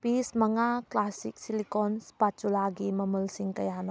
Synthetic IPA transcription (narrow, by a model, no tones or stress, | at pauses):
pismɐŋaklasḭk̚silikɔnspat͡ʃulaɡimɐmulsiŋkɐjanɔ